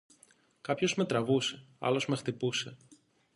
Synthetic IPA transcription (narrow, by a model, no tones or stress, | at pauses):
kɐpço̞zme̞t̪ɾɐvuse̞ɐ̰lo̞zme̞xt̪ipuse̞